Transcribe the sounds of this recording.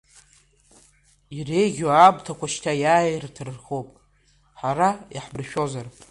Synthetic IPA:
irejɡʲoabtʰakʷaʃtʰajaːjrtʰɨrrχopʼ | ħaɾajaħbrʃᶣo̞zar

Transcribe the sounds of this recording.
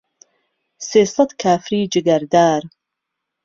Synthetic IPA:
seːsɑd̪kʰaːfɾiːd͡ʒɨɡɐɾd̪aːɾ

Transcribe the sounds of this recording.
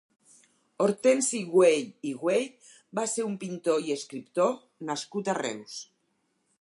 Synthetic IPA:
oɾt̪ensiɣweʎiɣweʎ | baseɾumpint̪oieskɾipt̪o | naskut̪arɛ̰ws

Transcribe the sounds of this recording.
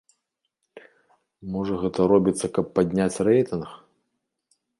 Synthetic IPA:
mɔʐɐɣɛt̪ɐɾɔbʲit̪sːɐkɐpːad̪ʲnʲat͡sʲrɛjt̪ɨnx

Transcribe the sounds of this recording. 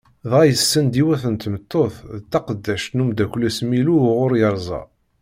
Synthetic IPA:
ðˤʁæjəsːənd̪iwæθənt̪mət̪ːoθt̪ːɑqəd̪ːæʃt̪numd̪ækʷːlæsmiluʁʊɾjəɾˤzˤɑ̰

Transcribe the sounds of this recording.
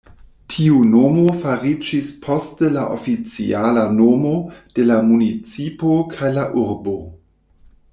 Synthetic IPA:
tʰiunomofaɾid͡ʒispʰo̞stəlaʔo̰fit͡sḭalanomod̥e̞lamunit͡sipokʰajlaʔuɾbo̞

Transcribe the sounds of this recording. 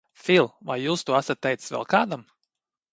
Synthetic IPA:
filˠvajjuːst̪uɔasat̪̚ːɛjt̪ssvɛ̰lˠkaːd̪am

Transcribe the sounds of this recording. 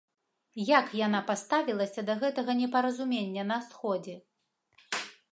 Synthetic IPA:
jakjan̪apast̪avʲilˠɐsʲɐd̪ɐɣɛt̪ɐɣɐnʲɛpɐɾɐzumʲenʲːɐnɐsxɔd͡zʲɛ

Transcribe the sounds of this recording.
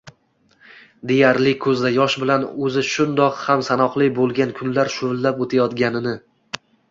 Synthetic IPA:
d̪e̞jaɾlɪkʰɵzd̪ajɒʃbɪlanɵzɪʃʊnd̪ɒqhamsanɒqlˠɪbolˠɡʲankʰʊnlaɾʃʊvlːapot̪ʰajɒt̪ɡʲanɪnɪ

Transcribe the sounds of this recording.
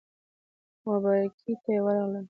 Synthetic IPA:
wabɑjakʰit̪ajewəɾɑɣləl

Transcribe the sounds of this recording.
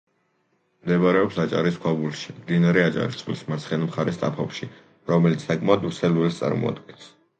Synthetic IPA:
md̪ɛbɾɛɔpsat͡ʃʼaɾiskʰwabulʃi̥md̪inaɾɛat͡ʃʼa̰ɾist̪ʼilismaɾt̪sʰχɛnimχaɾɛst̪ʼa̰pʰɔpʃi | ɾɔmɛlit̪ssakʼmaɔd̪uɾsɛluɛlst̪sʼa̰ɾmɔ̰a̰d̪ɡɛns

